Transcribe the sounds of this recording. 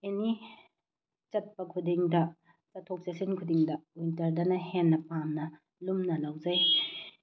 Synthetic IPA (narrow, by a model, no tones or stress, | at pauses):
eni | t͡ʃɐt̚pɐkʰudiŋdɐ | t͡ʃɐtʰːok̚sesinkʰudiŋdɐwintɐɾdɐnɐhenːɐpamnɐ | lumnɐlawd͡ʒɐj